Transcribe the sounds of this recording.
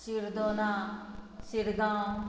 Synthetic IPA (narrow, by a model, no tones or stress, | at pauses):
siɾd̪onãːsiɾɡã